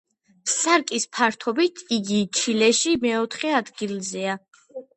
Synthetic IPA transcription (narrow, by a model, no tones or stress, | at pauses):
saɾkʼispʰaɾt̪ʰɔbit̪ʰiɡit͡ʃʰilɛʃimɛɔt̪ʰχɛad̪ɡilzɛa